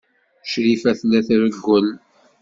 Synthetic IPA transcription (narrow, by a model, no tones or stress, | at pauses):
ʃɾifæθlæθɾəɡːəl